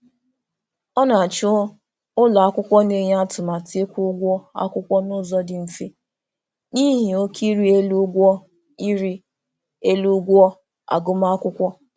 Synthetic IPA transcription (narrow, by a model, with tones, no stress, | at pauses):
ɔ˦na˨a˨t͡ʃʊ˦ | ʊ˦la˨a˦kʷʊ˦kʷɔ˦ne˨ɲ˦a˦tʊ˨ma˨te˦kʷʊ˦ɡʷɔ˦a̰˦kʷʊ˦kʷɔ˦nʊ˦zɔ˦dɪ˨m̩˨fi˦ | ni˦ɦi˨o˦kʰi˦ɾi˦e˦lu˦ɡʷɔ˦ | i˦ɾi˦ | e˦lu˦ɡʷɔ˦ | a̰˨ɡʊ˦ma˦a˦kʷʊ˦kʷɔ˦